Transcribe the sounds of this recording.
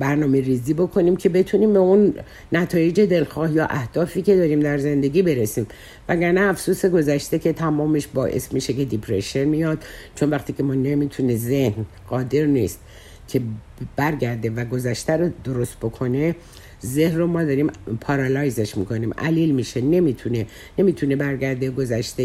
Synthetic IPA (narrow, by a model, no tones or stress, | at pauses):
bæɾnɒːmeɾiːziːbo̞kʰo̞niːmcʰe̞be̞t̪ʰuniːmbe̞unː | æt̪ʰɒːje̞d͡ʒe̞d̪elxɒːhjɒːʔæhd̪̥ɒːfiːce̞d̪ɒːɾimd̪æɾze̞nd̪e̞ɡʲiːbe̞ɾesiːm | væɡæɾnæːfsuːse̞ɡo̞zæʃt̪e̞cʰe̞t̪ʰæmɒːmeʃbɒːʔḛsmiːʃe̞kʰe̞d̪ipʰɾeʃe̞nmijɒːd̪̚t͡ʃʰo̞nvæxt̪ʰiːcʰe̞mɒːnemiːt̪ʰuneze̞hn | ɢɒːd̪e̞ɾniːst̪ | kʲʰe̞ | b̥æɾɟæɾd̪e̞væɡo̞zæʃt̪æɾod̪oɾost̪̚bo̞kʰo̞ne̞ | zehnromɒːd̪ɒːɾimpʰɒɾɑlɒjzeʃmḭːkʰoniːmʔæ̰liːlmiʃene̞mit̪ʰune | ne̞miːt̪ʰunebæɾɟæɾd̪e̞ɡo̞zæʃt̪e